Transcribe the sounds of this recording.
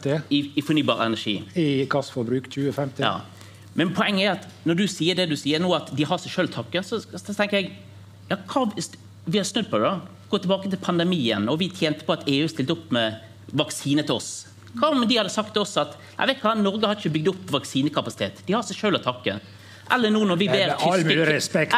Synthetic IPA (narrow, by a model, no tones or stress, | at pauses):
ɪɪfɔɾnyːbɑ̰ːɾəɛ̰næʂḭːɪɡɑsfɔɾbɾʉːkc͡çʉːəfɛmt̪ɪjɑ̰ː | mɛnpʰɔɛŋːəæɾɑt̪ | nɔɖ̪ʉsiːəd̪ɛd̪ʉsiːəɾnuːɑt̪d̪ɪhɑɾsɛɪʃøːlt̪ʰɑkːəsɔt̪ʰɛŋkəɾjɛɡ | jɑːkʰɑː | ʋɪhɑsnʉd̪̚pʰɔd̪ɛd̪ɑɡ̥oːt̪ɪlbɑːkət̪ʰɪlpʰɑnd̪ɛmiːənɔʋɪt̪ʰjɛːnt̪ə̥pɔɑt̪eːʉːst̪ɪlt̪əʊpːmɛ | ʋɑksiːnət̪ʰɪɔ̰s | kʰɑmd̪ɪhɑd̪əsɑkt̪ʰɔsːɑt̪næ̰ɪʋɛɪt̪kʋɑnɔɾɡəhɑɾdɪçəbʏɡ̚d̪ʊpːʋɑksiːnəkʰɑpɑsɪt̪ḛːt̪d̪ɪhɑsɛɪʃøːlɔt̪ʰɑkːə̰ | ʔɛlːənuːnɔɾʋɪʋeːɾɾɛspɛk